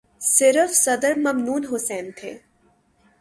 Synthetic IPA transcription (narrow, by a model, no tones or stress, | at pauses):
sɪɾəfsɐd̪əɾmɐmnuːnɦʊsɛːnt̪ʰḛ̃ː